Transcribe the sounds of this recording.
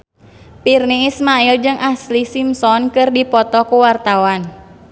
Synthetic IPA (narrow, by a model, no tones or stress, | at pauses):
pirniːsmaild͡ʒɨŋʔaslisimsɔnkɨrdipɔt̪ɔkuwart̪awan